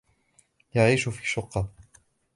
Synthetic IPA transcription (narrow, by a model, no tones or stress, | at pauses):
jaʕiːʃʊfiːʃːʊqːɑ